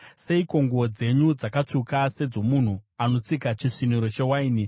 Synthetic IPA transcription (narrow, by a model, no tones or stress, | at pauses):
se̞iko̞ŋɡod͡ze̞ɲud͡zakat͡ʂukase̞d͡zo̞mun̤uano̞t͡sikat͡ʃiʂiniɾo̞t͡ʃe̞waini